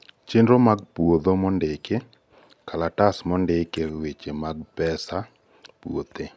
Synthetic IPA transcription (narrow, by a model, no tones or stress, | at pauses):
t͡ʃendɾomaɡ̚puwod̪omɔndeke | kalatasmɔndekewet͡ʃemaɡ̚pɛsa | puot̪e